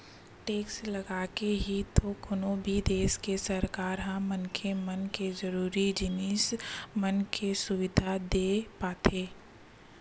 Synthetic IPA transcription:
ʈeːkslɐɡaːkeɦit̪okʊnobʱid̪eːskesəɾkaːɾɦãmənkʰemənkezəɾuːɾid͡ʒɪniːsmənkʰesʊʋɪd̪ʱad̪eːpaːt̪ʰeː

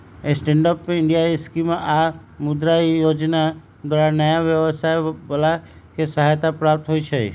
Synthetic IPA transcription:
esʈẽɳɖəpɪɳɖijaeskimʔa | mʊd̪ɾaijoːd͡ʒna | d̪waːɾanəjaʋjəʋəsajbəla | kesəɦajt̪apɾap̚t̪ɦoit͡ʃʰḛ

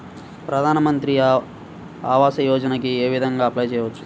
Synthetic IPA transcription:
pɾɐd̪ʱaːnɐmɐnt̪ɾi | aːʋaːsɐjɔːd͡ʒɐnɐkieːʋid̪ʱɐŋɡaːɐplaːjt͡ʃɛːjʋɐt͡ʃːu̥

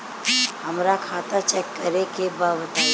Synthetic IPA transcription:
ɦɐmɾakʰaːt̪at͡ʃɛkːəɾekebaːʋət̪a

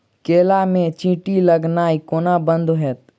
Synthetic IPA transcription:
keːlamẽt͡ʃĩːʈiləɡnaːikoːnabə̃nd̪oɦɛt̪̚

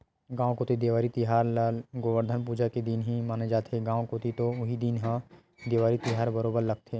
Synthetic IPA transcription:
ɡãːʋõkoːt̪id̪eːʋaːɾit̪iɦaːɾlaːlɡoʋəɾd̪ʱənpuːd͡ʒaked̪iːnɦimaːned͡ʒaːt̪eɡãːokoːt̪it̪oʊɦid̪inɦã | d̪eːʋaːɾit̪iɦaːɾbəɾoːbəɾlɐɡ̚t̪ʰeː

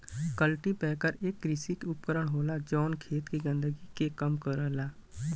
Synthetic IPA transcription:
kəlʈipɛːkəɾeːk̚ɡɾisik̪ʊp̚kəɾəɽ̃ɦoːlad͡ʒɔːnkʰeːt̪kiɡə̃nd̪əɡikekəmkəɾəlaː

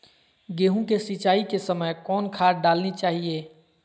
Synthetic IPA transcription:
ɡeːɦũkesit͡ʃaːikesəməjkɔːnkʰaːɾɖaːlnit͡ʃaːɦieː

